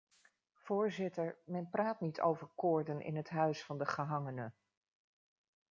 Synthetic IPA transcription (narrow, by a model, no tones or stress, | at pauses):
v̥ʊːɹzɪtəɹmɛnprʔaːtnitʰo̰wvəɹkʊːɹdənʔɪ̰nɦətɦœɥsfɑndəχəɦɑŋənə